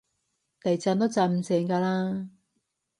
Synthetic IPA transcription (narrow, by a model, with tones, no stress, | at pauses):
t̪ɐ˨˩jt͡saː˧nt̪o˥t͡saː˧˩m̩˨sɛː˨˥ŋkaː˧laː˥